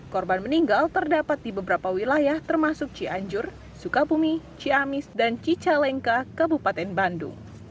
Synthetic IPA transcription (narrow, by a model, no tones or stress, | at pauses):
kɔrbanməniŋɡalt̪ərdapat̪̚dibəbəɾapawilajaht̪ərmasʊk̚t͡ʃiʔaɲd͡ʒʊr | sukabumit͡ʃiamɪsdant͡ʃit͡ʃalɛŋkakəbupat̪ɛnbandʊ̰ŋ